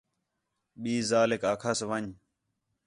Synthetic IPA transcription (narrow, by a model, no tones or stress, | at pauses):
ɓiːzaːlekaːkʰaːsʋəɲ